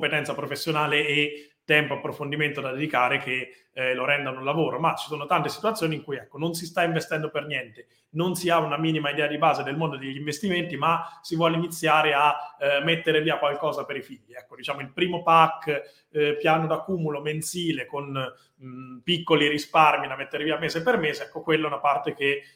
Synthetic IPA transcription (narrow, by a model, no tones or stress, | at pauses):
ompet̪ɛnt̪sapɾofesːjonaːleːt̪ːɛmpoapːɾofond̪iment̪od̪ad̪ed̪ikaːɾeke | loɾɛnd̪anolːavoːɾomat͡ʃi̥soːnot̪ant̪esi̥t̪uwat̪sjoːniːŋkujɛkːonons̬ist̪aiɱvest̪ɛnd̪opernjɛnt̪e | nonsiaunamiːnimaid̪ɛːad̪ibaːzed̪elmond̪od̪eʎːiɱvest̪iment̪imasivwɔleinit̪sːjaːɾeamːet̪ːeɾeviːakwalkɔːzapeɾifiʎːiɛkːod̪it͡ʃaːmoilpɾiːmopakː | pjaːnod̪akːuːmuloment̪siːlekon | pikːoliɾisparmid̪amet̪ːeɾeviameːzepermeːzeɛkːokwelːaɛunapart̪ek̟e